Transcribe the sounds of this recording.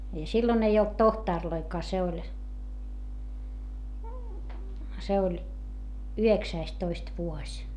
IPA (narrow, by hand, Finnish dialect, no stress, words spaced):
jɑ silːon ei olt tohtɑˑrloikɑː se olʲ se olʲ yheksæistoist ʋuosʲ